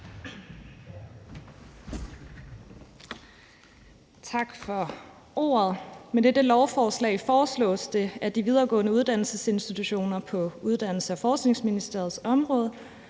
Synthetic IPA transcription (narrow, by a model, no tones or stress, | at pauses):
t͡sʰɑ̈ɡ̥fɒ̽ | o̝̰ːɐð̞̩ˠmed̥ed̥əlɒʊfɒːslɛ̰ɪfɒːslɔ̰̽ːsd̥e̝æd̥iʋið̞ˠɐɡ̥ɔ̰ːnəuð̞ˠd̥æn̰l̩səse̝nsd̥it͡sʰuɕo̝̰ːnɐpʰɒ̽uð̞ˠd̥æn̰l̩səæfɒːsɡ̥ne̝ŋsminisd̥e̝ɐð̞̩ˠsɒ̽mʁɔ̽ːð̞ˠ